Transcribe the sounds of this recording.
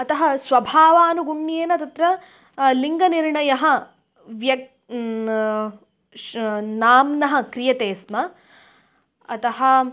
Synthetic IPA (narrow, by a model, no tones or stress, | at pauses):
ɐt̪ɐɦɐsʋɐbʱaːʋaːnuɡuɳːjeːnɐt̪ɐt̪ɾɐ | liŋɡɐniɾɳɐjɐɦɐ | ʋjɐk̚ | naːmnɐɦɐ̆kɾijɐt̪eːsmɐ | ɐt̪ɐɦɐ